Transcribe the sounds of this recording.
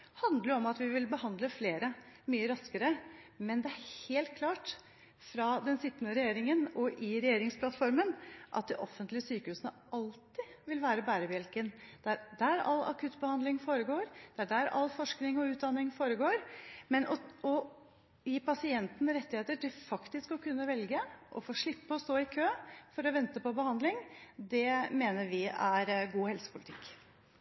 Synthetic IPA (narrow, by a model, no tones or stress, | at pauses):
hɑnd̪ləɾɔmɑt̪ʋɪʋɪlbəhɑnd̪ləfleːɾəmyːəɾɑskəɾəmɛnd̪ɛæɾheːlt̪̚kʰlɑːʈ | fɾɑd̪ɛnsɪt̪ːənəɾɛjeːɾɪŋənɔʔɪɾɛjeːɾɪŋspʰlɑt̪fɔɾmənʔɑ̰t̪̚d̪ɪʔɔfːənt̪lɪəsyːkəhʉːsənə | ʔɑlt̪ɪʋɪlʋæːɾəbæːɾəbjɛlkənd̪̥æɾɖæɾɑ̰lːɑ̰kʰʉt̪ːbəhɑnd̪ɪŋfoːɾəɡoːɾd̪̥ɛæɖæːɾɑ̰lːfɔʂknɪŋɔʉːt̪̚d̪ɑnːɪŋfoːɾəɡoːɾmɛnɔɔ | jiːpɑsɪɛnt̪n̩ɾɛt̪ːɪheːt̪əʈɪlfɑkt̪ɪskɔkʰʉnːəʋɛlɡəʔɔ̰foːʂɭɪpːəɔst̪oːɪkʰøːfɔɾɔʋɛnt̪əpɔbəhɑnd̪lɪŋd̪ɛmeːnəɾʋɪæɾɡuːhɛlsə̥pʰʊlɪt̪ʰɪkː